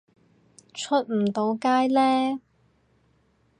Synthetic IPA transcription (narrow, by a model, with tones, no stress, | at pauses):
t͡ʃʰɵ˥t̚m̩˨˩t̪o˨˥wkaː˥jlɛː˥